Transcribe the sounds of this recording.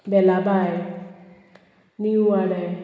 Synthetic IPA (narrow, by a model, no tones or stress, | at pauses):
bɛlaba | niuaɾɛ